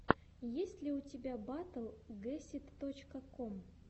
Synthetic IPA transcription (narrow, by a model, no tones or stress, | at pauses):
jesʲtʲlʲɪʊtʲɪbʲabat̪əlˠɡɛsʲɪt̪ːot͡ɕkəkom